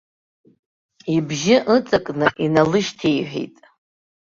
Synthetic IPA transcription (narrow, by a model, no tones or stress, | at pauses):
ibʒɪʔɨt͡sʼɨkʼnɨʔinalɨʃtʰejħᶣḛjtʼ